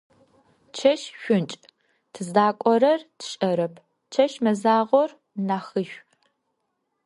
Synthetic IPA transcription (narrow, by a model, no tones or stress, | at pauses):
t͡ʃʰɐʃʃʷʊnt͡ʃʼ | tʰɨzdaːkʷʼɔɾɐrtʰɕʼɐɾɐpʰ | t͡ʃʰɐʃmɐzaːʁʷɔr | naːxɨʃᶣʷ